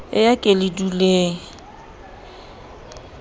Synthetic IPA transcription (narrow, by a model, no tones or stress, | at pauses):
ɪjakʼelɪdule